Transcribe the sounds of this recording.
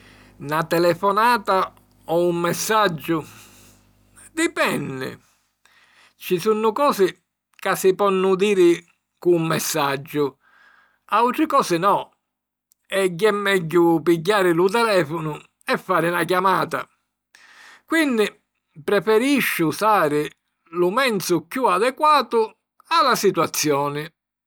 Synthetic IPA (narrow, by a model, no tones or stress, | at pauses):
nat̪ɛlɛfɔnaːt̪a | ɔumːɛsːad͡ʒːʊ | d̪ipɛnːɪ̰ | t͡ʃisunːʊkɔːsɪ | kasːɪpɔnːʊd̪iːɾɪ | kuːmːɛsːad͡ʒːʊ | awt̪ɾɪkɔːsɪnɔ | ɛɟːɛmːɛɟːʊpiɟːaːɾɪlʊt̪ɛlɛːfʊnʊ | ɛfːaːɾɪnak̬jamaːt̪a̰ | kwinːɪ | pɾɛfɛɾiʃːʊsaːɾɪ | lʊmɛnt̪sʊkjuad̪ɛkwaːt̪ʊ | alːasit̪wat̪sːjɔːnɪ